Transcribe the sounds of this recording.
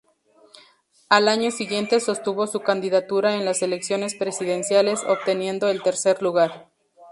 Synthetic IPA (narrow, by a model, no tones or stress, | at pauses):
alaɲo̞siɣje̞nt̪e̞so̞st̪uβo̞sukand̪iðat̪uɾae̞nlase̞leksjo̞ne̞spɾe̞siðe̞nsjale̞so̞̰pt̪e̞nje̞nd̪o̞elt̪e̞ɾse̞ɾluɣaɾ